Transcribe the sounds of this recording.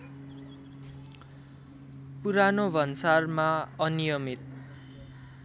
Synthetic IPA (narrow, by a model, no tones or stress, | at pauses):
puɾanobʱʌnsarmaʌnijʌmit̪̚